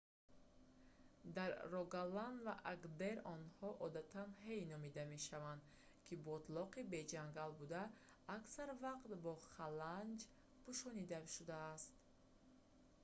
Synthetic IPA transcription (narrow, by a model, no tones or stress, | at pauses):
d̪aɾːɔɡalanvaʔaɡd̪eɾɔnhɔʔɔd̪at̪ʰanɦe̞jnɔmid̪ame̞ʃavand̪ | kʰibɔt̪lɔqibe̞d͡ʒaŋɡalbud̪aː | ksaɾvaqt̪bɔχaland͡ʒ | pʰuʃɔnid̪aʃud̪aːst̪